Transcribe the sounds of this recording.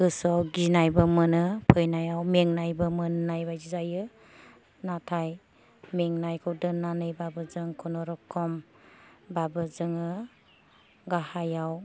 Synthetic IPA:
ɯsɔwɡinajbɯmɯnɯpʰɯjnajawmeŋnajbɯmɯnnajbajzizajɯ | natʰaj | meŋnajkʰɯwdɯnːanɯjbabɯzɯŋkʰɔnɔɾɔkʰːɔm | babɯzɯŋɯ | ɡahajaw

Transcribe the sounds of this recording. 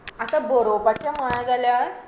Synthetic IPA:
asaboɾopat͡ɕjamoɭ̃ãd͡zaljaɾ

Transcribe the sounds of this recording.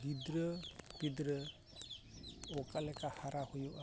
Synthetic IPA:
did̪ɾəpid̪ɾə | ɔkalɛkahaɾahujuʔa

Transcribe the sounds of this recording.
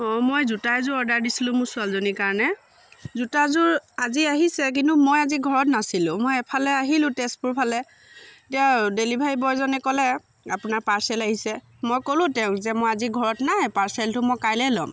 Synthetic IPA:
ɔmojzutaɛzʊɹɔɹdaɹdisilʊ̃mʊɹsʊalzonikaɹɔnɛ | zutazʊɹaziaɦisɛk̬intʊmojaziɡʱɔɹɔtnasilʊ̃mojɛpʰalɛaɦilʊ̃tespuɹpʰalɛ | tijadelibʱaɹibɔjzɔnɛkɔlɛ | apʊnaɹpaɹsɛlaɦisɛ | mojkolʊ̃tɛʊ̃kzɛmojaziɡʱɔɹɔtnaɛpaɹsɛltʊmɔjkajlɛlɔm

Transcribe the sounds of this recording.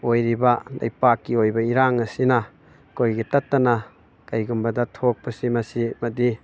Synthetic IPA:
ojɾibɐla̰jpakːiojbɐiɾaŋɐsinɐ | kojɡitɐtːɐnɐ | kɐjɡumbɐdɐtʰok̚pɐsimɐsimɐdi

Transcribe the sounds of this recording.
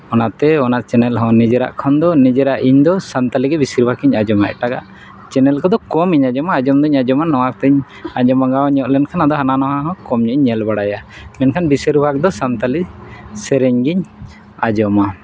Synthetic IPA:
ɔnat̪ɛɔnat͡ʃɛnɛlɦɔ̃nid͡ʒɛɾa̰ʔkʰɔnd̪ɔnid͡ʒɛɾaʔiɲd̪ɔsant̪aliɡɛbisiɾubʱakiɲad͡ʒɔma̰ʔɛ̰ʈaɡaʔ | t͡ʃɛnɛlkɔd̪ɔkɔmiɲad͡ʒɔmaːd͡ʒɔmd̪ɔɲad͡ʒɔmanɔwakt̪ɛɲ | aɲɔmaɡawɲɔʔlɛnkʰanad̪ɔɦananɔɦãɦɔ̃kɔmɲuʔɲːɛlbaɽajamɛnkʰanbisɛɾubʱak̚d̪ɔsant̪alisɛɾɛɲɡiɲ | ad͡ʒɔma

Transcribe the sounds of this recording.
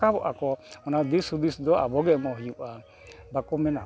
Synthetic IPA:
kaβɔʔakɔɔnad̪isud̪isd̪ɔa̰bɔɡɛmɔɦjuʔa | bakɔmɛna

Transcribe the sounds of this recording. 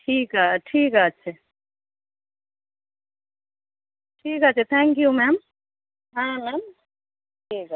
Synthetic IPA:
ʈʰiːkɦaʈʰiːkɦaːtːʃʰa | ʈʰiːkat͡ʃʰet̪ʰɛ̃ːŋkjumɛm | ɦãmɛːm | ʈʰiːk

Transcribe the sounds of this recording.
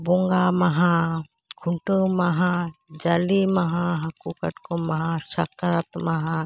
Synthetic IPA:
boŋɡamɐɦã | kʰuɳʈəmɐɦãd͡ʒɐlimɐɦãɦɐkukəʈkomɐɦãsɐkɾət̪mɐɦã

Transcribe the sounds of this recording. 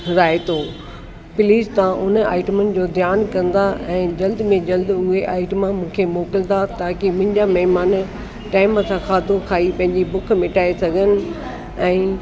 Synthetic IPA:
ɾaːet̪ʰoː | pɪliːst̪ɐʋãʔʊnə̆a̰ːɪʈəmənɪ̆d͡ʑoːd̪ʱjaːnkɐ̃nd̪aɛ̃ːd͡ʑɐld̪mẽd͡ʑɐld̪ʊɦeʔaːɪʈmãmũːkʰemoːkɪlt̪ʰat̪ʰaːkimʊ̃ɦɪ̃ɲd͡ʑamɐɦɪmaːn | ʈaːɪməsãkʰaːd̪ʱokʰaːipɐ̃ɦɪ̃ɲd͡ʑibʊkʰmɪ̃ʈʰaːesɐɡʱənɪ̆ | ɛ̃ː

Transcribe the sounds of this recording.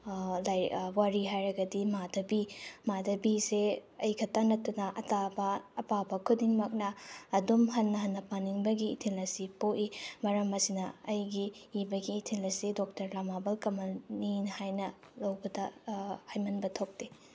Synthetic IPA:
lajwaɾiɦajɾɐɡɐdimadɐbimadɐbiseɐjkʰɐtanɐtːɐnɐʔɐtabɐːpabɐkʰudiŋmɐk̚nɐːdumɦɐnːɐɦɐnːɐpaniŋbɐɡiːtʰilɐsipoʔimɐɾɐmɐsinɐɐjɡiːbɐɡiːtʰilɐsidok̚tɐɾlamabɐlkɐmɐninhajnɐ | lɐwbɐdɐhajmɐnbɐtʰok̚te

